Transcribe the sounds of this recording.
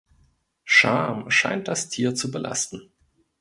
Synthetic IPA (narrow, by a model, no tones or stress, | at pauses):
ʃa̰ɐmʃa̰ɪnt̚d̥astʰiːɐt͡subəlʔa̰stn̩